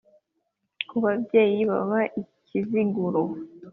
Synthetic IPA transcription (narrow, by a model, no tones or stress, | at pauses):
kʰuβabje̞ːjiβa̰βaʔicʰiziɡuɾo